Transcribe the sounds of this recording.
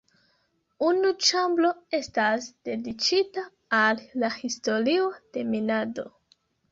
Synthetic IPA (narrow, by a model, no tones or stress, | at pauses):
unut͡ʃamblo̞e̞stasd̥e̞dit͡ʃitaː | lːahisto̞ɾio̞d̥e̞minado̞̰